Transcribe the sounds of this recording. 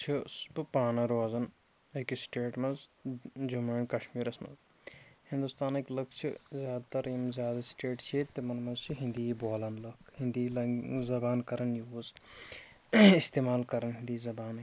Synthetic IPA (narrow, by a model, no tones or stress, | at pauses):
t͡ʃʰispɨpaːnɐɾʋaːzɐn | ekisʈeːʈmɐzd͡ʒumeːɳkɐʃmiːɾɐsmɐ̰nz | hĩnd̪ust̪aːneklɐkt͡ʃʰizʲjaːd̪at̪ɐɾiːmzʲjaːd̪ɐsʈeːʈt͡ʃʰit̪ːimɐnmɐnzt͡ʃʰiɦĩnd̪iːboːlɐnlɐkʰhĩnd̪ilzɐbaːnkɐɾɐnjoːz | ist̪eːmaːlkɐɾɐnɦind̪iːzɐbaːn